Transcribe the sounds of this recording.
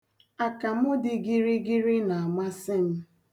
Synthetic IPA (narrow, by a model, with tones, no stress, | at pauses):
a˨ka˨mʊ˦dɪ˦ɡi˦ɾi˦ɡi˦ɾi˦na˨a˨ma˦sɪ˦m̩˦